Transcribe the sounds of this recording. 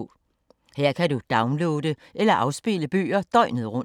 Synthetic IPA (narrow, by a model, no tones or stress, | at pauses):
heɐ̰kʰædud̥ɑ̈ʊnloːdəʔelɐʔɑ̈ʊsb̥e̝ləb̥y̰ːɐd̥ɒ̽ɪnəð̩ˠʁɔ̽n